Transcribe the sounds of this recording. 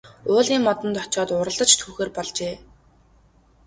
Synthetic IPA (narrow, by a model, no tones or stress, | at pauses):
ʊːɮiːŋːɔt̪ə̆nt̪ɔt͡ɕɔːt̪ʊɾə̆ɮt̪ə̆t͡ɕt̪ʰuːxeːrpɔɮt͡ɕeː